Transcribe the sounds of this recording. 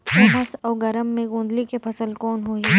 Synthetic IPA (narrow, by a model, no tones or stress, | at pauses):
ʋoːɦɐsɔːɡɐɾəmːẽɡũːnd̪likepʰɐsəlkɔːnɦoːe